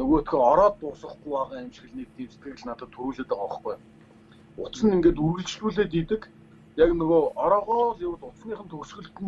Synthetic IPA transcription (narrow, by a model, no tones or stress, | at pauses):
ɵɣoːt̪xʰĕɔɾɔːt̪ːʊsə̆χɡujpaʁaːæmt͡ɕ̆xɘ̆ɮniːt̪iːt͡se̥t̪̚ɡɘ̆ɣɘ̆ɮnat̪ə̆t̪ʰːuɾuːɮeːt̪ə̆kɔχɡuj | ʊt͡sə̆niŋɡeːt̪̬urɣɘ̆ɮt͡ɕɮuːɮeːt̪̬it̪ɘ̆k | jaknɵɣoɔɾɔːʁɔːɮɪwə̆t̪ʊt͡sniːχə̆nt̪ʰɵrʃɣɘ̆ɮt̪ɘ̆n